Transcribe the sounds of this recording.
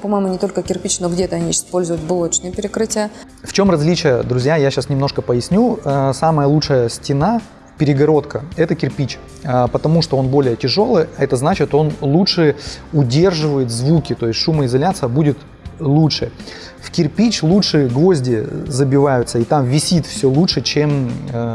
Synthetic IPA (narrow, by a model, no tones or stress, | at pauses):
pɐmajɪmʊnʲɪt̪o̞lʲkəkʲɪrpʲit͡ɕnoɡdʲet̪əɐnʲiɪspo̞lʲzʊjʊt̪ʲbʊlˠot̪t͡ɕnəjəpʲɪɾʲɪkɾɨtʲɪjə | ft͡ɕo̞mrɐzʲlʲit͡ɕɪjəd̪ɾʊzʲjajaɕasnʲɪmno̞ʂkəpəjɪsʲnʲuəsaməjəlˠutʂɨjəsʲtʲɪna | pʲɪɾʲɪɡɐɾo̞t̪kəɛt̪əkʲɪrpʲit͡ɕ | əpət̪ɐmuʂt̪o̞o̞nbo̞lʲɪjətʲɪʐo̞lˠɨjɐɛt̪əznat͡ɕɪt̪o̞nlˠutʂɨʊdʲe̞rʐɨvəjɪt̪zvukʲɪt̪o̞ɪsʲtʲʂuməɪzɐlʲat̪sɨjəbudʲɪt̪ | lˠutʂɨ | fkʲɪrpʲit͡ɕlˠutʂɨɡvo̞zʲdʲɪzəbʲɪvajʊt̪səɪt̪amvʲɪsʲit̪fsʲolˠutʂɨt͡ɕe̞m